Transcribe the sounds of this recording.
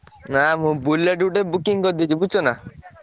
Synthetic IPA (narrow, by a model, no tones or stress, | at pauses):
namũbulːeɖuʈebukiŋkɔd̪id͡ʒibut͡ʃʰɔna